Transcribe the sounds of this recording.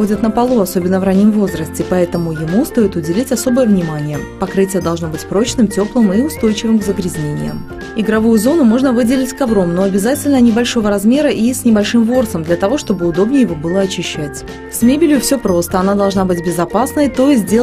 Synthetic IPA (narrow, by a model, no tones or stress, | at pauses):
odʲət̪nəpɐlˠuɐso̞bʲɪnːəvranʲimvo̞zɾəsʲtʲɪpɐɛt̪əmʊjɪmust̪o̞jɪt̪ʊdʲɪlʲitʲɐso̞bəjəvnʲɪmanʲɪjəpɐkɾɨtʲɪjəd̪ɐlˠʐno̞bɨtʲpɾo̞t͡ɕnɨmtʲo̞plˠɨmiʊst̪o̞jt͡ɕɪvɨmɡzəɡɾʲɪzʲnʲenʲɪ̰jə̰ | ɪɡɾɐvujʊzo̞nʊmo̞ʐnəvɨdʲɪlʲɪtʲkɐvɾo̞mno̞ɐbʲɪzatʲɪlʲnənʲɪbɐlʲʂo̞vəɾɐzmʲe̞ɾəʔisʲnʲɪbɐlʲʂɨmvo̞rsəmd̪lʲɐt̪ɐvo̞ʂt̪o̞bɨʊd̪o̞bnʲɪjɪvobɨlˠəɐt͡ɕɪɕːætʲ | sʲmʲebʲɪlʲjʊfsʲo̞pɾo̞st̪əɐnad̪ɐlˠʐnabɨtʲbʲɪzɐpasnəjt̪oɪsʲdʲe